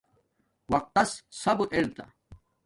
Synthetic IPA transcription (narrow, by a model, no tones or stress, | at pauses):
wɐq̚t̪ɐssɐbuʔelt̪ʰa̰